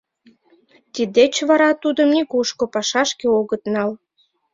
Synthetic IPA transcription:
t̪id̪et͡ɕβɑɾɑt̪ud̪əmnikuʃkopɑʃɑʃkeoɣət̪nɑl

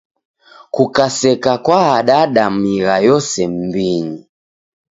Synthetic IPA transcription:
kukasɛkakwaːɗaɗamiɾajɔsɛm̩biɲi

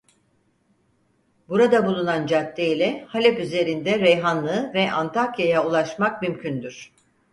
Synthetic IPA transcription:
buɾad̪abulˠunand͡ʒat̪ʰːeilʲɛhalʲɛpyze̞ɾind̪ɛɾɛjɦanlˠɯːvɛʔant̪ʰakjajaulˠaʃmak̚mymcʰynd̪yɾ̝̥

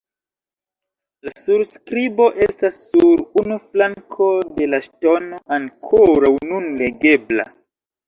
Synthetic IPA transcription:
lasuɾskɾibo̞ʔe̞stasːuɾunuflaŋkʰo̞de̞laʃto̞no̞ʔaŋkʰoɾawnunle̞ɡe̞bla̰

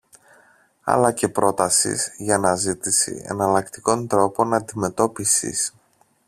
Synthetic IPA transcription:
ɐ̰lɐce̞pɾo̞t̪ɐsḭzʝɐnɐzit̪isḭe̞̰nɐlɐkt̪i̥ko̞nt̪ɾo̞po̞nɐnd̪ime̞t̪o̞pisḭs

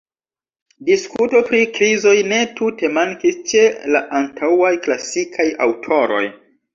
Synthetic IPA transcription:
diskuto̞pɾikɾizo̞jne̞tute̞maŋkist͡ʃe̞la̰ʔantʰawajklasikʰaja̰wtʰo̞ɾo̞̰j

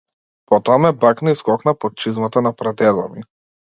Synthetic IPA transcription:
pɔt̪ɔamɛbaknaiskɔknapɔt̪̚t͡ʃizmat̪anapɾad̪ɛzɔ̰mi

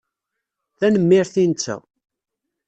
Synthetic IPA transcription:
θænəmːɪɾθint͡sːə̰

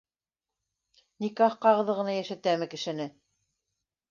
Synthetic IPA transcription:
nikɑχqɑʁɤ̆ðɤʁɤ̆nɑjæʃæt̪æmɘkɘ̆ʃɘ̆nɘ

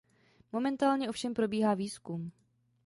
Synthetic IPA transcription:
mo̞mɛnt̪aːlɲɛʔofʃɛmpɾo̞biːɦaːviːskum

